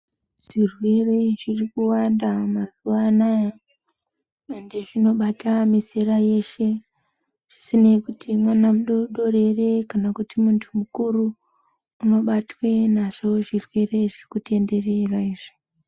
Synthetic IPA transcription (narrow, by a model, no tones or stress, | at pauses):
ʐ̥irwe̞re̞ʐirikuwandamazuwana | endeʐino̞ɓatamiseɾaje̞ʃe̞ | ʐ̥isine̞kutʰimwanamuɗoɗo̞re̞re̞kanakutimuntʰumukuruː | no̞ɓatwe̞naʐo̞ʐirwe̞re̞ʐirikute̞nde̞reraiːʐi̥